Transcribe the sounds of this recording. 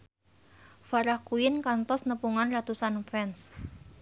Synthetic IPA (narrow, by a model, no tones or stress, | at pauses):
faɾahkuɪnkant̪ɔsnəpuŋanrat̪usanfɛns